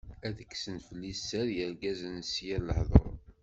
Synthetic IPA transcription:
æðəkːsənfəlːisːæɾjəɾɡæzənsjæɾləħðˤo̰ɾˤ

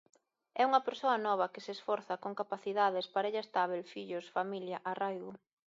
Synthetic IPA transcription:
ɛuŋɐpeɾsoɐnɔβ̞ɐkɪseːsfɔɾθɐkoŋkapaθiðaðespaɾɐeʎɐest̪aβelfiʎʊsfamiljɐʔarajɣʊ

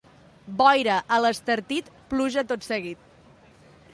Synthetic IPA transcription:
bɔjɾəʔələst̪əɾt̪it̪pluʒət̪ot̪səɣit̪̚

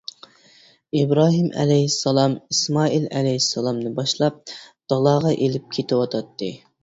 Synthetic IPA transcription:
ibɾɑːɦimʔɛ̰lɛjisːɑlˠɑmismɑːilɛ̰lɛjisːɑlˠɑmnɨbɑʃlˠɑp̚d̪̥ɑlˠɑːʁɑʔelɪp̚kʲʰet̪ʰɪwɑt̪ʰɑt̪ʰːɨ

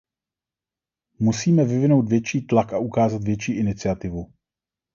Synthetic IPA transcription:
musiːmɛvɪvɪno̞wt̪vjɛt͡ʃiːt̪lakaʔukaːzat̪vjɛt͡ʃiːʔɪnɪt͡sɪat̪ɪvu

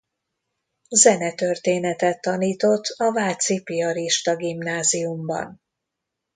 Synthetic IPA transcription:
zɛnɛt̪ørt̪eːnɛt̪ɛt̪ːɒniːt̪o̞t̪ʰːɒvaːlt̪sipiɒɾiʃt̪ɒɡimnaːziumbɒ̰n

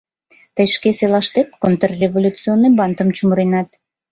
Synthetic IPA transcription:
t̪əjʃkeselˠɑʃt̪ekkont̪rrʲevolʲut͡sɨonːəjbɑnt̪əmt͡ɕumɾijnɑt̪

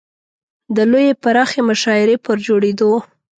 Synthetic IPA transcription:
d̪əlojepaɾɑxemʊʃɑɪɾepəɾd͡ʒoɽed̪o

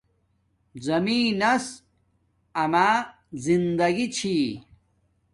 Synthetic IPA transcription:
zɐmiːnɐs | ɐmaː | zind̪ɐɡit͡ɕʰi

